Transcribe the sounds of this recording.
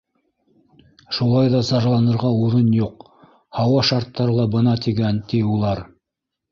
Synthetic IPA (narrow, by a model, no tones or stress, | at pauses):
ʃulˠɑjðɑsɑʒlˠɑnɤ̆ɾʁɑuɾɤnjuq | hɑwɑʃɑɾt̪ːɑɾɤlˠɑbɤ̆nɑt̪iɡænt̪iulˠɑɾ